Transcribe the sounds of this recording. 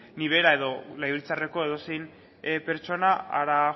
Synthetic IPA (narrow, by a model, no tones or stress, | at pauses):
niβ̞e̞ɾae̞ðo̞lajβilt͡sare̞ko̞e̞ðo̞sejn | pe̞ɾt͡ʃo̞naa̰ɾa